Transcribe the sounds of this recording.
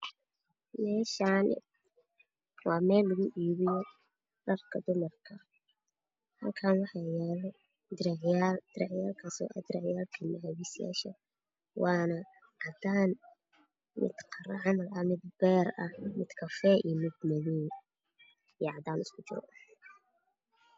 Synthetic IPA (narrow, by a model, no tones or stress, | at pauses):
mɛːʃaːn̰ | wɑːmɛːlːʊɣʊʔiːβɪjɔ | rɐrkʰɐd̪ʊmɐrkʰɐ | hɐlkʰaːnwɑħɑjɛːl | d̪ɪɾʕjald̪̥ɪɾɛʕjaːlkʰaːsɔ̰ːʔɐ̰d̪ɪɾɛʕjaːlkʰɐmɐɐwisɪja̰ːʃɐ | wɑːnɐ | ʕɑd̪aːn | mɪ̰d̪̥qʰɑɾɐʕɑmɐlɐmɪd̪̚bɛːrɐhmɪd̪̥kʰɐfɛːʔimɪd̪̚mɐðiːn | ijɐʕɑd̪aːnʊskʰʊt͡ʃɪɾ̰ʔħ